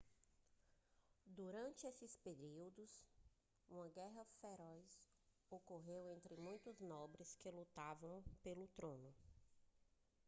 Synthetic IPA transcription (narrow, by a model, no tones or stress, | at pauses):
d̪uɾɐ̃nt͡ʃɪesɪspeɾiwd̪ʊs | ũmɐɡɛɦɐfeɾɔjs | okoɦewẽnt̪ɾɪmũj̃t̪ʊznɔbɾɪskɪlut̪avɐ̃w̃pelʊt̪ɾõnʊ